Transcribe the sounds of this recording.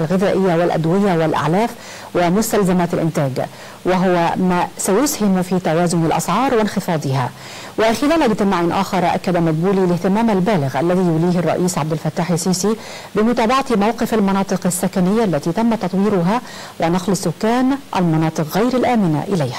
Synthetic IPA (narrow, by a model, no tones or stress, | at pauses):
alɣɪðaːʔɪjːawɪlʔa̰d̪wɪjawɪlʔa̰ʕlaːf | wɪmʊst̪alzamaːt̪alʔɪ̰nt̪aːɡ | wɪɦʊwamaːsajʊshɪmfiːt̪awaːzʊnalʔɑ̰sʕɑːɾˤwɪnxɨfɑːd̪ˤɨɦaː | wɪxɪlaːlʔɪɡt̪ɪmaːʕanʔaːxɑɾˤʔa̰kːad̪amat̪̚buːlilɪht̪ɪmaːmalbaːlɪɣʔa̰lːaðiːjʊliːhɪrˤːɑ̰ʔiːsʕabd̪ɪlfat̪ːaːħɪsiːsi | bɪmʊt̪aːbɑʕat̪mawqɪfalmɑnɑːt̪ˤɨqasːakanɪjːaʔlːat̪iːt̪amːat̪ɑt̪ˤwiːɾʊɦa | wʔɪnɑqlɪsːʊkːaːnʔa̰lmɑnɑːt̪ˤɨqɣajɾalʔaːmɪna̰ʔɪlajhḁ